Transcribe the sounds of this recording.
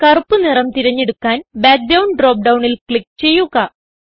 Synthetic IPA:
kɐrupːɨnirɐmt̪iɾɐɲːe̞ɽukːaːnbaːk̚ɖɐwnɖroːp̚ɖɐwɳilkɭik̚t͡ɕe̞jːuɣɐ

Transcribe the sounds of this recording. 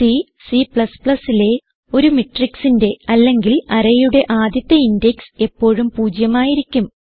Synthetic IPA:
i | sipɭɐspɭɐsile̞ | o̞ɾumiʈːriksinde̞ɐlːe̞ŋɡilɐɾɐjuɽe̞ʔaːd̪jɐt̪ːɐindekse̞pːo̞ːɻumpuːd͡ʑjɐmaːjiɾikʲːum

